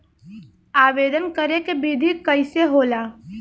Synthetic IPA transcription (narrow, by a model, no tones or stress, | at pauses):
aːʋeːd̪ənkəɾekebiːd̪ʱikəɪseɦoːlaː